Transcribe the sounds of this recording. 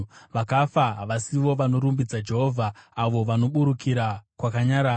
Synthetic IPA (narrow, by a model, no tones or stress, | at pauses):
ʋakafaɦaʋasiʋo̞ʋano̞ɾumbid͡zad͡ʒe̞ɦo̞ːvʱaːʋo̞ʋano̞ɓuɾukiɾakwakaɲaɾaː